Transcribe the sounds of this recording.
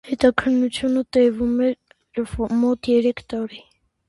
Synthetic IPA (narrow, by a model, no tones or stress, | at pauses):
hɛt̪ɑkʰənːut͡sʰjunət̪ɛvumɛɾ | vmɔt̪jɛɾɛkʰt̪ɑɾi